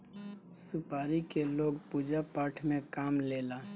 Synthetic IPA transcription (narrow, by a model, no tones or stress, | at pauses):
sʊpaːɾikeloːɡpuːd͡ʒapaɾʈʰmẽkaːmleːlaː